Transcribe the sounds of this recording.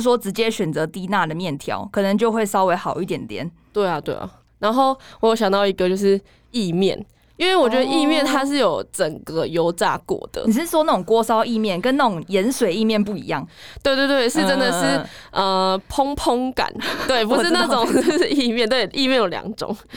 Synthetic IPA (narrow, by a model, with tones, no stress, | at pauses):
s̬wɔ˦˥ʈ͡ʂɻ̩˧˥t͡ɕjɛ˦ɕɥɛ˨˩nt͡sɤ˨˦t̪i˥na˥˨d̪ə˩mjɛ˥˩nt̪ʰjɑ̰˨˦ʊkʰɤ˨˩nə˨˦ŋt͡ɕjo˥˧xwe˥˩ɪsɑ˥ʊwe˧˥ɪxɑ˨˩ʊi˥˩t̪̬jɛ˨˩nt̪jɛ̰˨˦n | t̪we˥˩ɪa˨t̪we˥˩ɪa̰˨˩ | na˧˦nxo˥˩ʊwjo˧˥ɕjɑ˨˩ŋt̪ɑ˥˩ʊi˧˦ɡə˧t͡ɕjo˥˧ʊʂɻ̩˥˧ | i˥˧mjɛ̰˥˨n | i˥˦nwe˥˩ɪwɔ˨˩t͡ɕɥɛ˧˦d̪ə˧ʔi˥˧mjɛ˥˨nt̪ʰa˦ʂ̬ɻ̩˥˩jo˨˩ʊʈ͡ʂə˨˩ŋɡə˨jo˧˦ʊt͡sa̰˥˩kwɔ̰˨˩˦d̪̥ə̰˩ni˨˩ʂɻ̩˥˩swɔ˥na˥˩ʊ˨˩ŋkwɔ˥sɑ˥ʊi˥˧mjɛ˥˨nkə˦˥nːa˥˩ʈ͡ʂʊ˨˩ŋjə˨˦nswe˨˩ɪi˥˧mjɛ˥˧˨np̬u˥˩ḭ˧˦jɑ˥˩ŋt̪we˥˧t̪we˥˧t̪wɪʂɻ̩˥˧ʈ͡ʂə˦nd̪ə˨ʂɻ̩˥˩ə˨pʰo˦ŋpʰo˦ŋka̰˨˩˦nt̪we˥˩ɪpu˧ʂɻ̩˥˧na˥˩ʈ͡ʂʊ˨˦ŋ̩˥˧˩i˥˧mjɛ˥˧nt̪we˥˨ɪʔi˥˧mjɛ˥˨njo˨˩ʊljɑ̰˨˩ŋʈ͡ʂʊ̰˨˩˦ŋ